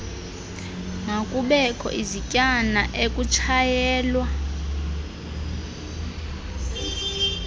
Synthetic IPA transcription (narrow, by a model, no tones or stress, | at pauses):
ŋʱakʼuɓɛkʰɔ̰ʔizicʼanaʔekʼut͡ʃʰajɛːlwa